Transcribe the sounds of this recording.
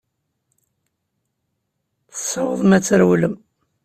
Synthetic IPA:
θə̥sːɑwəðˤmæt͡sːəɾwləm

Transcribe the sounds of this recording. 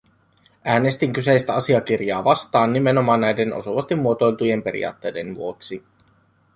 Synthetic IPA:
æːne̞st̪iŋkyse̞jst̪æɑsiɑk̟irjɑːʋɑst̪ɑːnːime̞nomɑːnːnæjde̞no̞̰suʋɑst̪imːuo̞t̪o̞jlt̪uje̞mpe̞ɾḭɑ̰ːt̪ːe̞jde̞nʋṵo̞ksi

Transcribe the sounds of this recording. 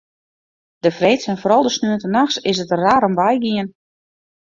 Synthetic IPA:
d̥əfreːtsɛnfoɾɔlˠdəsnyəntənaxsɪs̬ətraːɾɔmʋɛjɡiən

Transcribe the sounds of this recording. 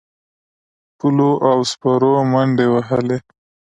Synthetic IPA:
puloʔawspaɾomaɳɖewaɦəle

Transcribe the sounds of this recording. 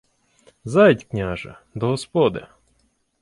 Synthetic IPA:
zɑjtʲknʲaʒɐ̰ | d̪ɔɦɔspɔd̪ɪ

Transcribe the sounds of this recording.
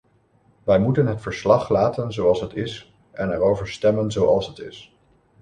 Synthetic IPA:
ʋɛjmutənɦətfəɹslɑχlaːtənzoɑlˠsɦətɪs | ʔɛnɛɹowvəɹstɛmənzowɑlˠsɦətɪ̰s

